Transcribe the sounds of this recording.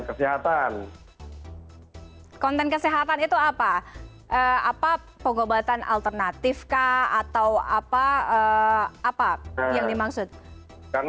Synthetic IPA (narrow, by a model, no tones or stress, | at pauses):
kəsiɦat̪an | kɔnt̪ɛnkəsiɦat̪anit̪uapa | ʔəapa | pəŋobat̪anʔa̰lt̪ərnat̪ɪfkaat̪awapaəː | pajaŋdimaksʊt̪̚ | kar